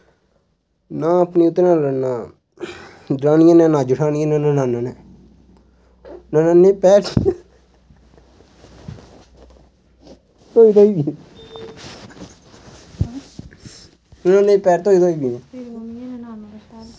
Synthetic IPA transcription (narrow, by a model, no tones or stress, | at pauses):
nãːəpniːʊt̪ːɾãːɾnaː | d̪ɾaːnɪjãːnɛ̃ːnãːd͡ʒʊʈʰaːnɪjãnãnãːnãːnanɛː | nanãːnepɛːɾ | t̪oːit̪oi | nãːnepɛːɾt̪oːit̪oːibĩ